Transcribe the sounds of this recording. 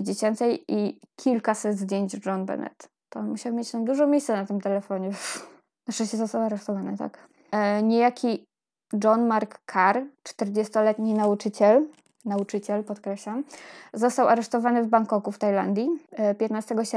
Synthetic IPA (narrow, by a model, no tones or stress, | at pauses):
d͡ʑet͡ɕɛnt̪sɛjikʲʰilkasɛd̪zd̪ʲjeɲd͡ʑʐɔnbɛ̰nɛ̰t̪ːɔmmuɕawmʲjet͡ɕt̪ɔd̪uʐɔ̃mʲjejssɛnat̪ɘmt̪ɛlɛfɔɲɛv | naʂɛɕɛzɔst̪awaɾɛʂt̪ɔvanɘ̰t̪a̰k | ɲejakʲʰi | d͡ʐɔnmaɾkːʰaɾt͡ʂt̪ɛɾd͡ʑest̪ɔlɛt̪ɲinaut͡ʂɘt͡ɕɛl | naut͡ʂɘt͡ɕɛlpɔt̪kɾɛɕlamzɔst̪awaɾɛʂt̪ɔvanɘvbaŋkɔkuft̪ajla̰nd̪ʲjipʲjɛt̪nast̪ɛɡɔɕɛ